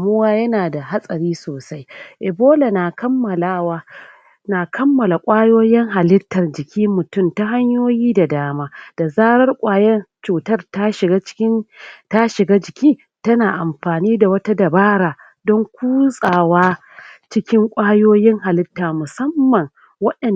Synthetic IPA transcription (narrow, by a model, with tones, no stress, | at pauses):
mʊ˦waː˦jɐ˦naː˨da˨ɦa˦sʼɐ˨ɾiː˦soː˨sa˦jʔɪ˨boː˦la˨na˨kɐ˦mːɐ˨la˦wa˦ | na˨kʰɐ˦mːɐ˨la˨kʷʼaː˦joː˦jɪ˦ŋɦa˨lɪ˦tːɐ˨rd͡ʒɪ˨kʲiː˦mʊ˨tʊ˦˨mta˦ɦa˦ɲjoː˦jiː˦da˨daː˦maː˦d̥a˨zaː˦ɾɐ˦rkʷʼaː˨jɛ˦nt͡ʃuː˨tɐ˦rta˦ʃɪ˨ɡa˦t͡ʃɪ̥˦ta˦ʃɪ˨ɡaː˦d͡ʒɪ˨kʲiː˦ | tɐ˦naː˨ʔa˨mɸaː˨niː˦da˨wɐ˦ta˦dɐ˨baː˦ɾaː˨ | dɔ˦ŋkʷuː˦sʼaː˨waː˦ | t͡ʃɪ˦kʲɪ˦ŋkʷʼaː˦joː˦jɪ˦ŋɦa˨lɪ˦tːaː˨mʊ˨sɐ˦mːɐ˨ŋ | wɐ˦ɗɐ˨n